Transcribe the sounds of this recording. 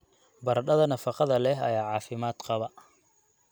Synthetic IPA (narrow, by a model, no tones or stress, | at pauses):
bɐrɖɐðɐnɐfɑqɑðɐlɛɦɐ̰jaːʕɑːfɪmaːd̪qɑβɐ